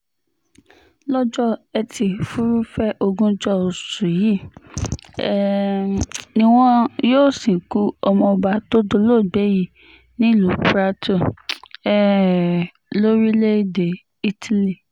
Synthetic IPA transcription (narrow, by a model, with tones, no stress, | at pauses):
lɔ˦d͡ʒɔ˦ɛ˧tʰi˧fu˦ɾu˦fɛ˦ʔo˧ɡũ˦d͡ʒɔ˦o˨su˨ji˦˨˦ | nĩ˦w̃ɔ̃˦joː˦˨sĩ˨ku˦ɔ˧mɔ̃˧ɔ˧ba˧to˦do˧lo˦˨ɡ͡be˨˦ji˦˨ | nĩ˦˨lu˨pɾa˦tʰu˦˨ɛ˦ | lo˦ɾi˦le˦i˦de˨ | i˦tʰi˨li˨